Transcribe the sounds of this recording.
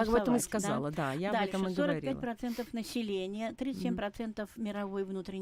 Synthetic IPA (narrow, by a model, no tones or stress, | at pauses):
akɐbɛvəmɨsʲkɐzd̪a̰lˠəd̪a̰jaɐd̪abɛt̪əməsɡ̪ɡ̪ovɾəɐɾ̚ʲipætlˠpɾɐt̪sɛnt̪əfnəsʲɪlʲenʲɪjət̪ɾʲit̪ɨsʲemʲpɾɐt̪sɛnt̪əfmʲɪɾɐvo̞jvnut̪ɾʲɪnʲ